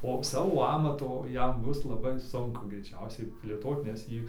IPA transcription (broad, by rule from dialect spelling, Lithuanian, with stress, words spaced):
oː ˈsɑːʋoː ˈɑːmɐtoː ˈjɛm ˈbʊs lˠɐˈbɐɪ sʊŋˈkʊ ɡrʲɛɪˈt͡ʃʲɛʊsʲɛɪ pʲlʲeːˈtoːt nʲɛs ˈjiː